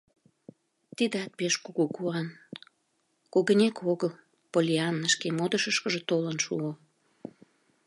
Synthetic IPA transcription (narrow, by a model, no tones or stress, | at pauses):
t̪id̪eɑt̪̚peʃkuɣukuɑn | koɣənʲekʰoɣəl | polʲiɑnːəʃkemod̪əʃəʃkəʒet̪olənʃṵo